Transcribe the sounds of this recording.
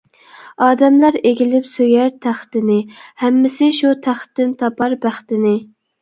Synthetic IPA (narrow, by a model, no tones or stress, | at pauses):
ɑːd̪ɛmlɑɾeɡʲilɪpsøjæɾt̪ʰæχt̪ɪnɪhæmːɪsɪʃut̪ʰæχt̪ːɪnt̪ʰɑpɑɾbæχt̪ɪnɪ